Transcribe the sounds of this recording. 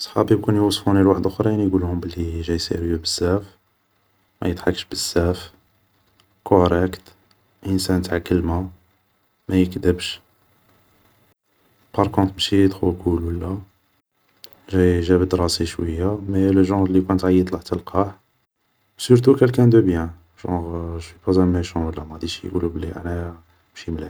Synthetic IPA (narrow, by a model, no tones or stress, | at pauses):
sˤħɑbib̚kunjwɑsˤfunilwaħəd̪ʊxɾˤɑjænjɡulhʊmbəlːiʒæjsḭɾjəbəsːæf | mæ̰jəd̪ħɑkːəʃbəsːæf | kʰoɾɛkt̪ | ʔənsænt̪ʕakːəlmæ | mæjəkd̪əbʃ | pɑɾˤkɔ̃t̪ˤmʃit̪xuɡulwəlːæ | ʒæʒæbəd̪ɾˤɑsiʃwə̰jːameləʒɑ̃ɣlikunt̪ʕajːəˤlaħt̪əlqɑħ | syɾt̪̬ukəlkæ̃nd̪əbjæ̃ | ʒɑ̰̃ʁʒwipɑzæmæʃɑ̃wəlːæmæd̪iʃjɡṵlublḭʔæ̰næ | mʃimlæ